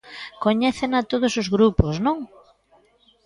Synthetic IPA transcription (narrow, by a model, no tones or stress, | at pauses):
koɲɛθenat̪oð̞ʊsozɣɾuposnõŋ